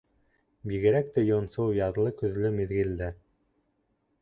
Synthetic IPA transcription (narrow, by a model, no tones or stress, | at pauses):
biɣɘ̆ɾæk̚t̪æjonsowjɑðlˠɤkɵ̆ðlɵmiðɡɘ̆ld̪æ